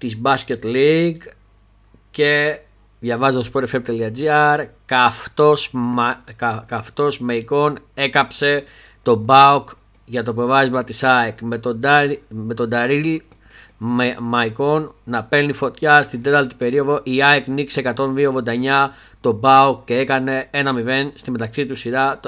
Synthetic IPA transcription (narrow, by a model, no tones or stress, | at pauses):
t̪izbɐsce̞t̪liɡ | ce̞ | ðʝɐvɐzet̪ospoɾefep̚t̪eliɐd͡ziɐɾkɐft̪os | kɐft̪o̞zmɐiko̞ne̞kɐpse̞ | t̪o̞bɐuk | ʝɐt̪op̬ovɐzmɐt̪isɐekmet̪od̪me̞t̪o̞d̪ɐɾil | mɐiko̞nːɐpe̞ɾnifo̞t̪çɐst̪ind̪et̪ɐlt̪i̥pe̞ɾio̞ðo̞ʔiɐeknikseekɐt̪o̞nðiovðod̪ɐɲɐ | t̪o̞bɐukce̞e̞kɐne̞e̞nɐmive̞nst̪ime̞t̪ɐksit̪usiɾɐ